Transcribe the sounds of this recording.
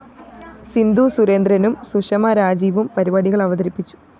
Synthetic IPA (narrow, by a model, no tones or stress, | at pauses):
sind̪uːsuɾeːnd̪ɾɐnumsuʂɐmɐɾaːd͡ʑiːʋumpɐɾibaːɽiɣɐɭɐʋɐd̪ɐɾipːit͡ɕːu̥